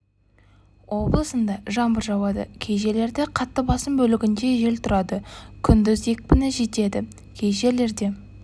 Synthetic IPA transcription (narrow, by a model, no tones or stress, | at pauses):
wʔo̞blˠəsənd̪ɑʒɑmbəɾʒɑwɑd̪ə̰kʲʰe̞jʒe̞le̞ɾd̪eqʰɑt̪ːəbɑsəmbɵlɪɡʲɪnd̪e̞ʒe̞lt̪ʰʊɾɑd̪əkʲʰʏnd̪ɪze̞k̚ʲpɪnɪʒe̞t̪e̞d̪ɪ | kʲʰejʒe̞le̞ɾd̪e̞